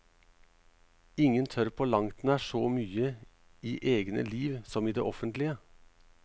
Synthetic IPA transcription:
ɪŋənt̪ʰœɾpʰoːlɑŋt̪næːʃoːmyːə | iːʔeːɡnə̰liːʋsɔmiːd̪ḛːʔɔfənt̪lɪə

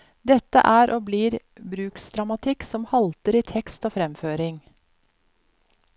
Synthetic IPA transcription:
d̪ɛt̪ːə̰ʔæːɾʔoːbliːɾ | bɾʉːksd̪ɾɑmɑt̪ʰɪkːsɔmhɑlt̪əɾiːt̪ʰɛkst̪oːfɾɛmføːɾɪŋ

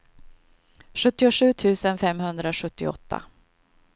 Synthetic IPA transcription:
ɧɵt̪ːɪʊɧʉ̟ːt̪ʰʉ̟ːsənfɛmhɵnd̪ɾaɧɵt̪ːɪ̰ɔ̰t̪ːa̰

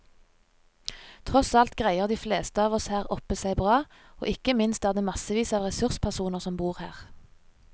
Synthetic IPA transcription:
t̪ʰʁɔsɑlt̪ɡʁæɪəʁd̪iːfleːst̪əɑːʋɔshæːʁɔpəsæɪbʁɑː | o̰ːʔɪkəmɪnst̪æːʁd̪eːmɑsəʋiːsɑːʋʁɛsʉʁspʰæʁsuːnəʁsɔmbuːʁhæ̰ːʁ

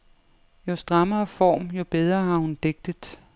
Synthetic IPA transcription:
jo̝sd̥ʁɑ̈mɐːfɒ̰ːmjo̝b̥eð̞ˠʁɐɦɑ̈hund̥eɡ̥̚d̥əð̥ˠ

